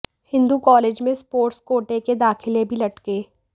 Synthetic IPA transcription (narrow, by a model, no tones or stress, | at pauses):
hɪ̃nd̪ukɔːleːd͡ʒmẽspoːɾʈskoːʈeked̪aːxɪlebʱilɐʈkeː